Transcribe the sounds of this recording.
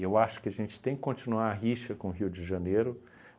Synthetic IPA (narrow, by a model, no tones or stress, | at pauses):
ewaʃʊ̥kɪɐʒẽnt͡ʃɪ̥t̪ẽj̃kɪ̥kõnt͡ʃinuaɾaɦiʃɐkõɦiwd͡ʒɪʒaneɾʊ